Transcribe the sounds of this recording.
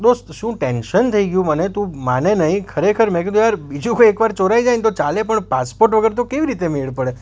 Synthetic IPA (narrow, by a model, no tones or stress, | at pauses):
d̪ost̪ʃũʈenʃənt̪ʰəiɡjũmənet̪ũmanenəɦĩkʰəɾekʰəɾmɛ̃k̬et̪ojaɾbid͡ʒũkʰoekʋaɾt͡ʃoɾaid͡ʒajnt̪ot͡ʃalepəɳpaspoɾʈʋəɡəɾet̪̬okeʋiɾit̪emeɭpəɽe